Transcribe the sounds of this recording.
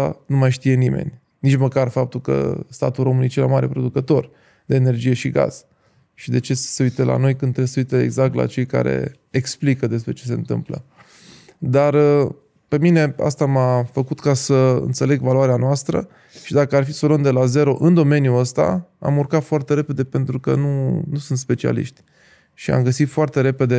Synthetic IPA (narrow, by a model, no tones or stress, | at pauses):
a̰numajʃt̪ije̞nimḛnʲ | nit͡ʃməkarfap̚t̪ulkə̰st̪a̰t̪ulɾo̞mɨnijet͡ʃela̰maɾe̞pɾo̞d̪ukət̪o̞r | d̪e̞ːne̞rd͡ʒije̞ʃiɡa̰z̥ | ʃid̪e̞t͡ʃe̞seujt̪elʔa̰no̞jkɨnd̪ɾebseujt̪eḛɡzak̚t̪la̰t͡ʃe̞jka̰ɾḛ | eksplikəd̪e̞spɾe̞t͡ʃe̞s̬e̞nt̪ɨ̰mplə̰ | d̪arə | pe̞mine̞a̰st̪amafəkut̪kasəɨ̰nt̪se̞le̞ɡvaluaɾeanoast̪ɾə̰ | ʃid̪akəarfisolond̪e̞laze̞ɾo̞ʔɨnd̪o̞me̞njuəst̪a̰a̰murkat̪foart̪e̞ɾe̞pe̞d̪e̞pe̞nt̪ɾukənunusunt̪spe̞t͡ʃia̰lḭʃt̪ʲ | ʃia̰mɡəsit̪foart̪e̞ɾe̞pe̞d̪e̞